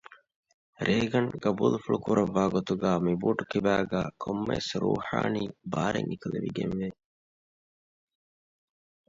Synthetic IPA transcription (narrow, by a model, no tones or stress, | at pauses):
ɾeːɡɐŋɡɐbuːlufuɭukuɾɐʋːaːɡot̪uɡæːmibuːʈukibæːɡæːkʰomːḛsɾuːħa̰ːniːbaːɾeŋikɐleʋiɡenʋe